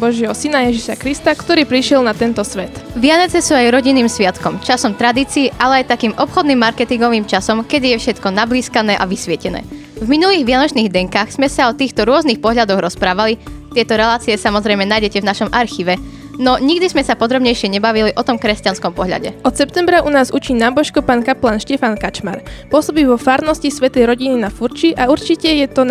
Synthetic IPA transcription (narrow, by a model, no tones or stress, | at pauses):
bɔʒjɛɦɔsinajɛʒiʃakɾist̪akt̪ɔɾiːpɾiʃɪɛlnat̪ɛnt̪ɔsʋɛt̪ʋɪanɛt͡sɛsuːajɾɔɟinːiːmsʋɪat̪kɔmt͡ʃasɔmt̪ɾad̪iːt͡siːʔalɛajt̪akiːmʔɔpxɔd̪niːmːaɾkɛt̪iŋɡɔʋiːmt͡ʃasɔmkɛd̪ijɛfʃɛt̪kɔnabliːskanɛːʔaʋisʋɪɛcɛnɛ̰ː | vminuliːɣʋɪanɔt͡ʃniːɣd̪ɛŋkaːxz̥mɛsaɔt̪iːxt̪ɔɾʊɔznixpɔɦʎad̪ɔɣɾɔspɾaːʋalit̪ɪɛt̪ɔɾɛlaːt͡siɛsamɔzɾɛjmɛnajɟɛcɛvnaʃɔmʔaɾxiːʋɛ | nɔɲiɡd̪izmɛsapɔd̪ɾɔbɲɛjʃɪɛɲɛbaʋiliʔɔt̪ɔmkɾɛscanskɔmpɔɦʎa̰ɟɛ̰ɔt̪sɛpt̪ɛmbɾaʔunaːzut͡ʃiːnaːbɔʃkɔpaːnkaplaːnʃcɛfankat͡ʃma̰ɾpʊɔsɔbiːʋɔfaːɾnɔscisʋɛt̪ɛjɾɔɟininafuɾt͡ʃiʔauɾt͡ʃicɛjɛt̪ɔ